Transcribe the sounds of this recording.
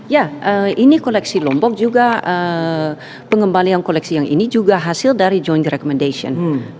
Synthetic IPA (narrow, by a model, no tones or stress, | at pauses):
jaʔəinikolɛksilɔmbɔk̚d͡ʒuɡaə | pəŋəmbaliankolɛksijaŋʔḭnid͡ʒuɡaɦasildaɾid͡ʒɔjnt̪rɛkɔmɛndasiɔ̰n